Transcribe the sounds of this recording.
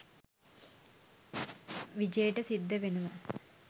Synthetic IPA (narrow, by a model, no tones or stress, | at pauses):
ʋid͡ʑejɐʈɐsid̪ʱːɐʋenuʋɐ